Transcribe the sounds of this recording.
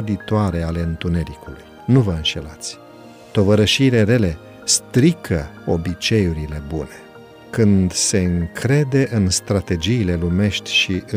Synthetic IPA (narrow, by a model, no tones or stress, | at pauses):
d̪it̪oaɾe̞ale̞ɨnt̪une̞ɾikuluj | nuvəɨnʃe̞̰lat̪sʲ | t̪o̞vəɾəʃiːle̞ɾe̞le̞ | st̪ɾikʰə | o̞bit͡ʃe̞juɾile̞bune̞ | kɨnd̪se̞ɨŋkʰɾe̞d̪e̞ʔɨnst̪ɾat̪e̞d͡ʒiːle̞lume̞ʃt̪ʲʃiʔɨ